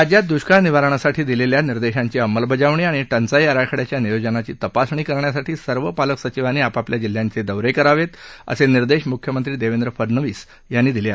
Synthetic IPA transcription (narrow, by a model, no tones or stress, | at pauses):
ad͡ʑjat̪̚d̪uɕkaniʋaɾəɳ̃asaʈʰiːd̪ileljaniɾd̪eɕaɲt͡ɕiəmːəlbʱəd͡ʑaʋɳiːaɽ̃iʈənt͡sajəɾakʰəɽjat͡ɕjanijod͡ʑənat͡ɕiːt̪əpasɳ̃iːkəɾɳjasaʈʰiːsəɾʋəpaləksət͡ɕiʋaniːapapljad͡ʑil̤ːjant͡sed̪əʋɾekəɾaʋet̪ə̰seniɾd̪eɕmukʰjəmənt̪ɾiːd̪eʋend̪ɾəfəɾnəʋiːs | janːiːd̪ilia